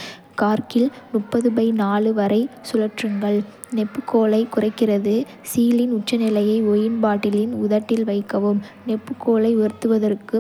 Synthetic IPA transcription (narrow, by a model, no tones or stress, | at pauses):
kaːɾkɪlmʊpːɐðɯbɐɪnaːlɯʋɐɾɐɪsʊlɐʈrɯŋɡɐɭ | nɛpːɯkːoːlɐɪkʊrɐɪkːɪrɐðɯ | siːlɪnʊʈ̚t͡ʃːɐnɪlɐjɐɪɔjɪnbaːʈːɪlɪnʊðɐʈːɪlʋɐɪkːɐʋɯmnɛpːɯkːoːlɐɪʋɛɾɯt̪ːɯʋɐðɐrkɯ